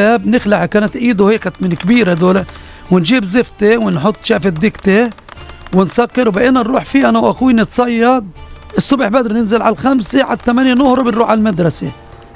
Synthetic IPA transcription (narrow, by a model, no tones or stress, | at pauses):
abnɪxlaʕakaːnat̪ʔiːd̪ʊheːkamɪnkbiːɾed̪oːle | wɪnʒiːbzɪft̪ewɪnħʊt̪ˤːʃaːfɪd̪ːɪkt̪e | wɪnsakːɪɾwbaʔeːnanɾuːħfiːʔanawʔaxuːnɪt̪sˤɑjːɑd̪̚ʔɪsˤːʊbħbæd̪ɾˤnɪnzɪlʕa̰lxamseʕa̰d̪̚t̪ːamanjenʊhɾˤobɪnɾuːħʕalmad̪ɾˤɑse